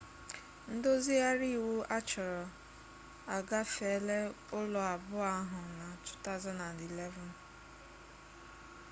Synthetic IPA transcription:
n̩˦do˦zi˦a˦ɾi˦˨wu˦ʔa˦t͡ʃɔ˨ɾɔ˨ | a˨ɡa˦fe˨˦le˦ | ʊ˦lʊ˨a˨bʊ˦a˦ɦʊ˨na˨tu̥˦ta˦ʊ˨za˦na˨ndi˨le˦vɔ˨n

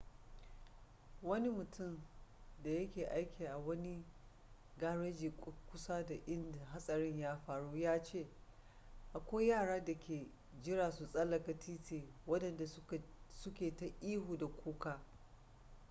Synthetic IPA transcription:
wɐ˦ni˦mʊ˨tʰʊ˦˨mda˨jɐ˦kʲeː˨ʔa˦jkʲʰiː˨ʔa˨wɐ˦ni˦ | ɡaː˦ɽɐ˦d͡ʒiː˨kkʷʊ˦sa˦da˨ʔɪ˦nda˨ɦa˦sʼɐ˨ɽɪ˦ɲjaː˦ɸaː˨ɽuː˦jaː˦t͡ʃeː˦˨ | ʔa˨kʷoː˦jaː˦˨ɽaː˦da˨kʲeː˨ | d͡ʒɪ˦ɽaː˨su˨sʼɐ˦lɐ˨ka˨tʰiː˦tʰeː˨wɐ˦dɐ˨nda˨˦sʊ˦kʲeː˨ta˦ʔiː˦ɦuː˨da˨kʷʰuː˦kaː˦

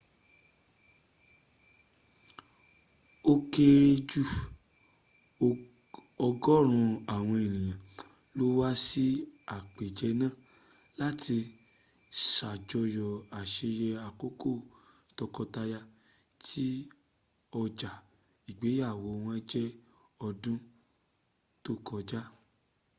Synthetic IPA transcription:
o˧ke˧ɾe˧d͡ʒu˦˨ | ɔ˧ɡɔ˦˨ɾ̃ũ˧a˨w̃ɔ̃˧e˨nĩ˨jã˨ | lo˦wa˦si˦a˨k͡pe˨d͡ʒɛ˧˦nãː˦˨ | la˦ti˧ | ʃa˨d͡ʒɔ˧jɔ˨a˨ʃe˧jɛ˧a˨ko˦ko˦˨ | tɔ˧kɔ˧ta˧ja˧ | tʰi˦ | ɔ˧d͡ʒa˨ | i˨ɡ͡be˨˦ja˦˨wo˨˧w̃ɔ̃˧ɛ˦d͡ʒɛ˦ | ɔ˧dũ˦ | to˦kɔ˧d͡ʒa˦

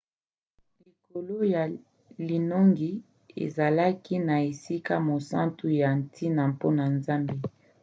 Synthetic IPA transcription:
li˨ko˨lo˦ja˨ | li˨no˦ŋɡi˦ | ḛ˨za˨la˦ki˦na˨e˨si˦ka˦mo˨sã˦ntu˦ja˨n˨tʰi˦na˨mpo˦na˨nza˦mbe˦

